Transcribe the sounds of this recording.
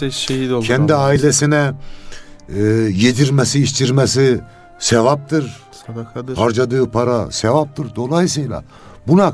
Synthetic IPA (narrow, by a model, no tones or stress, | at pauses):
ʃehid̪olʰɛnd̪iaːilʲesinɛ | jed̪iɾmɛsiːʃt̪ʰiɾmɛsi | sevap̚t̪ʰɯɾ | k̪haɾd͡ʒad̪ɯːpʰaɾasevap̚t̪ʰɯɾd̪o̞lˠajisɯjlˠa̰ | buna